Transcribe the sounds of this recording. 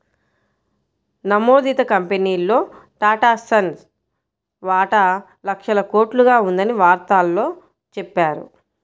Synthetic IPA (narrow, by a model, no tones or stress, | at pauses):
nɐmo̞ːd̪iːt̪ɐkɐmpeniːlːo̞ːʈaːʈaːsɐn | ʋaːʈa | lɐkʂɐlɐko̞ːʈluɡaːund̪ɐniʋaːɾt̪aːlːo̞ː | t͡ʃɛpːaːɾṵ